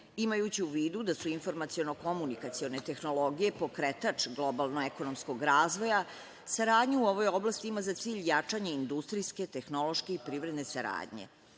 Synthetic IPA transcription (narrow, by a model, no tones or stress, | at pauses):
imajut͡ɕiuʋiːd̪ud̪asuinfo̞ɾmat̪sio̞noko̞munikat̪sio̞ne̞t̪e̞xno̞lˠo̞ɡije̞pokɾet̪at͡ʂɡlˠo̞balˠnoeko̞no̞msko̞ɡɾaːzʋo̞ja | saɾaːd̪ɲuuo̞ʋo̞joblˠast̪iimazat̪siːʎjat͡ʂaɲeind̪ust̪ɾijske̞t̪e̞xno̞lˠo̞ʃke̞ipɾiːʋɾe̞d̪ne̞saɾa̰ːd̪ɲe̞̰